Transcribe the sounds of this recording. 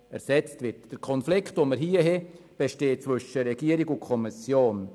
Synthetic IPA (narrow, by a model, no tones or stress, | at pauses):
ɛ̰ɾsɛt͡stvɪɾtd̥əɾkʰɔnflɪktʋoməɾɦiəɦɛ | b̥eʃteːt͡svʏʃəɾɛɡ̥iəɾiɡʊkʰɔmisjoːn